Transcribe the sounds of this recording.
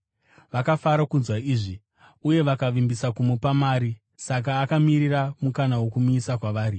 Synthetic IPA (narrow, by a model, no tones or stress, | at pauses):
ʋakafaɾakunzwaiːʐi | uje̞ʋakaʋimbisakumupamaːɾi | sak̬aːkamiriramukanawo̞kumuisakwaʋaːɾi